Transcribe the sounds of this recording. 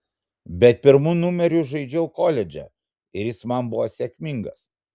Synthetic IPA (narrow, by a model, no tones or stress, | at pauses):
bʲɛt̪̚pʲɪɾmunʊmʲɛɾʲʊʒɐɪd͡ʒʲɛʊkoːlʲɛd͡ʒʲɛ̰ | ɪɾjɪsmɐnbʊʋosʲɛkʲmʲɪŋɡɐs